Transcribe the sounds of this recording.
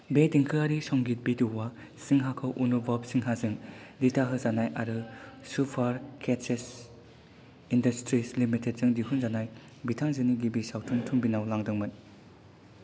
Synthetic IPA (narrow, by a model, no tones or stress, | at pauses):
bediŋkʰɯaɾisɔŋɡit̚biduwa | siŋɦakʰɯwʔunobapsiŋɦazɯŋditʰaɦɯzanajʔaɾɯsupʰaɾkʰet͡ʃes | indɐstɾislimitʰet̚zɯŋdiɦunzanaj | bitʰaŋzɯniɡibisawtʰuntʰuŋbinawlaŋdɯŋmɯn